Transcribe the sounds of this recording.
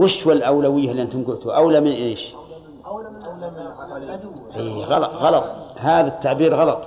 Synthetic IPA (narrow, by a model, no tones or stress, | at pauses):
wɪʃwalʔawlawɪjːalːiʔant̪ʊmɡʊlt̪uʔawlamɪnʔeːʃ | ʔiːɣɑlɑt̪ˤɣɑlɑt̪ˤhaːðat̪ːaʕbiːɾɣɑlɑt̪ˤ